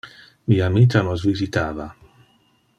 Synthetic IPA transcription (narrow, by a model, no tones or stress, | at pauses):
miːamit̪anozvizit̪aːva